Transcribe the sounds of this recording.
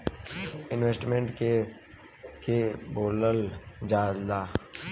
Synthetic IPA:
ɪnwesʈmẽɳʈke | keboːləld͡ʒaːaː

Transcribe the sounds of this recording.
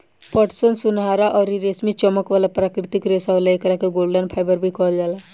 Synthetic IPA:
pəʈsonsʊnɦaːɾaʔɔːɾiɾesmit͡ʃɔməkʋaːlapɾaːkɾɪt̪ɪkɾesaʋlaekɾakeɡoːlɖənpʰaːɪbəɾbʱikɔld͡ʒaːla

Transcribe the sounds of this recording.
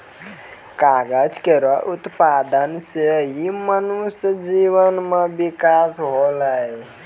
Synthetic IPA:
kaɡəd͡ʒkeɾɔʔut̪pad̪ənseimənusd͡ʒiʋənmebikasɦoləj

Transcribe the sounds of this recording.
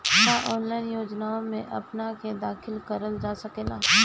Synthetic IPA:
jaʔɔːnlaːɪnjoːd͡ʒnaõmẽʔɐpnaked̪aːxʰɪlkəɾəld͡ʒaːsɐkeːlaː

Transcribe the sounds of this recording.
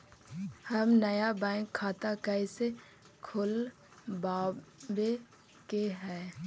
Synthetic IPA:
həmnəjabɛ̃ːŋkʰːaːt̪akaɪse | kʰʊl | baːbe | keɦɛː

